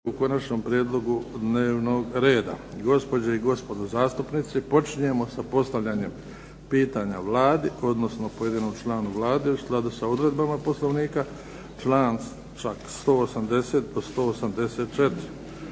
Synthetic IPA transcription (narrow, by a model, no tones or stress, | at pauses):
uko̞nat͡ʃno̞ːmpɾjeːd̪lˠo̞ɡud̪ne̞ːʋno̞ɡɾe̞ːd̪a̰ɡo̞spo̞d͡ʑeiɡo̞spo̞d̪ozaːst̪upnit̪sipo̞t͡ʃiɲe̞mo̞sapo̞st̪aʋʎaɲe̞m | piːt̪aɲaʋlˠaːd̪io̞d̪no̞sno̞po̞je̞d̪iːno̞mt͡ʃlˠaːnuʋlˠaːd̪eusklˠad̪usaod̪ɾe̞d̪bamapo̞slˠo̞ʋniːka | t͡ʃlaːn | t͡ʃakst̪o̞ːosamd̪e̞se̞ːt̪̚d̪o̞st̪o̞ːosamd̪e̞seːt̪̚t͡ʃe̞t̪ɪɾi